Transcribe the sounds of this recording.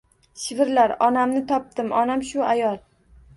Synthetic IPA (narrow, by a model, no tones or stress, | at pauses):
ʃɪvɪɾlaɾɒnamnɪt̪ʰɒp̚t̪ɪmɒnamʃʊajɒlˠ